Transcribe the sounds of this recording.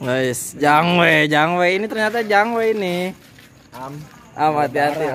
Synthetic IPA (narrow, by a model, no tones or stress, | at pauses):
ɡoisd͡ʒaŋwɛd͡ʒaŋwɛinit̪ərɲat̪ad͡ʒaŋwɛini | ʔamat̪iat̪i